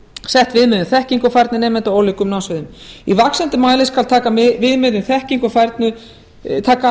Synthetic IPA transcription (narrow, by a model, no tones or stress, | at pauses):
sɛht̪vɪðmɪðʏmθɛhciŋkʏfajɾt̪nɪnɛːmɛnt̪aoːwlikʏmnaːwsvɪðʏmivaksɛnt̪ɪmaːjlɪskalt̪ʰaːkamvɪðmɪðʏmθɛhciŋkʏfajɾt̪nʏ | t̪ʰaːka